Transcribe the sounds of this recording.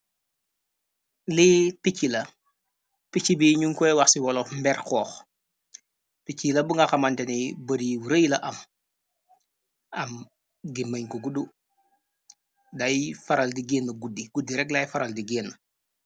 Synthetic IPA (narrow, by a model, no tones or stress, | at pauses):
lipicːilɐ | pit͡ʃːibiɲuŋkɔjwaxsiwɔlɔfmbɛɾkɔːx | picːilɐbuŋɡaxamantɛnibəɾiwuɾəjlɐʔɐm | ɐm | ɡimɐɲkɔɡudu | dajfaɾaldiɡeːnːɐɡudːiɡ̥udiɾɛk̚lajfaɾaldiɡeːnːɐ